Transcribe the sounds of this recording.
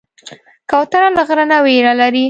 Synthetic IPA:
kawt̪analaɣɾənaweɾalaɾi

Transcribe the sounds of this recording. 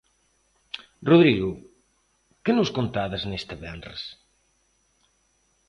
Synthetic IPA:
ruðɾiɣʊ | kenoskont̪aðaznest̪eβɛnrḛs

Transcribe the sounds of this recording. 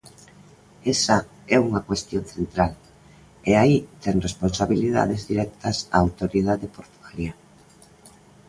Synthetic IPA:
ɛsa | ɛuŋakwest̪jon̟θent̪ɾal | eait̪ɛŋresponsaβiliða̰ðezðiɾɛk̚t̪ɐsa̰ːwt̪oɾiðaðepoɾt̪uɣalia

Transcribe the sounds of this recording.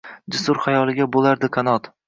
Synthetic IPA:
d͡ʒɪsʊɾχajɒlˠɪɡʲabolaɾd̪ɪkʰanɒt̪

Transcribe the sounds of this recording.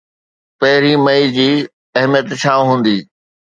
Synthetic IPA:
pɐɦɪɾimɐid͡ʑiː | ɐɦmijət̪t͡ɕʰãːɦũːn̆d̪iː

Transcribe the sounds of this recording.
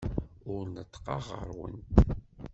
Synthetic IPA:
ʊɾnət̪ːqɑʁə̰ɾwə̰nt̪

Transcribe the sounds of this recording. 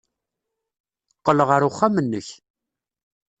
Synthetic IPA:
qːələʁəɾʊχːamənːəç

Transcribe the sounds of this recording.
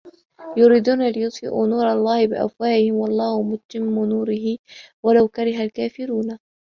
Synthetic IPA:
jʊɾiːd̪uːnalɪjʊt̪ˤfɪ̰ʔṵːnuːɾˤɑlˤːɑːhɪbɪ̰ʔa̰fwaːʔɪhɪmwɑlˤːɑːhʊmʊtt̪ːɪmːʊnuːɾɪhɪ | walawkaɾɪɦalkaːfɪɾuːna

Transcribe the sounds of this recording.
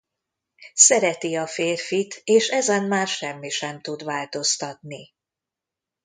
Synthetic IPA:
sɛɾɛt̪iɒfeːrfit̪eːʃɛzɛnmaːrʃɛmːiʃɛmt̪ud̪vaːlt̪o̞st̪ɒt̪̚ni

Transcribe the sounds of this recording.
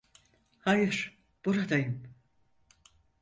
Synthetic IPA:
hajɯɾ̥ | b̥uɾad̪ajɯm

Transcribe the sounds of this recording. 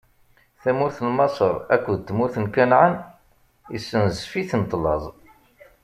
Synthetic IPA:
θæmʊɾθəlmɑsˤəɾˤæ̰kʷːðt̪ːmʊɾθənkænʕən | isːənzfiθnət̪ˤːlɑ̰zˤ

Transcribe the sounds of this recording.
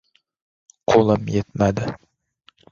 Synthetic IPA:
qʰolˠɪmjet̪mad̪ɪ

